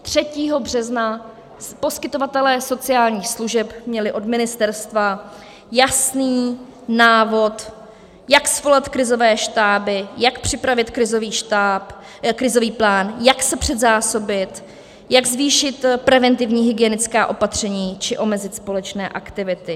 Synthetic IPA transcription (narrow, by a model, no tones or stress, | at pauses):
t̪r̥ɛciːɦo̞br̝ɛzna | po̞skɪt̪o̞vat̪ɛlɛːso̞t͡sɪaːlɲiːxsluʒɛpmɲɛlɪʔo̞dmɪnɪst̪ɛɾst̪va | jasniː | naːvo̞t̪ | jaksvo̞lɛt̪kɾɪzo̞vɛːʃt̪aːbɪjakpr̥ɪpɾavɪt̪kɾɪzo̞viːʃt̪ap | kɾɪzo̞viːplaːnjaksɛpr̝̥ɛd̪zaːso̞bɪt̪ | jaɡzviːʃɪt̪pɾɛvɛnt̪ɪvɲiːɦɪɡɪɛnɪt͡skaːʔo̞pat̪r̝̥ɛɲiːt͡ʃɪʔo̞mɛzɪt̪spo̞lɛt͡ʃnɛ̰ːʔakt̪ɪvɪt̪ɪ